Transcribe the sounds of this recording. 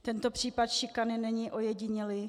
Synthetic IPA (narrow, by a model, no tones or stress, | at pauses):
t̪ɛnt̪o̞pr̝̥iːpat̪ʃɪkanɪnɛɲiʔʔojɛɟɪɲɛlɪ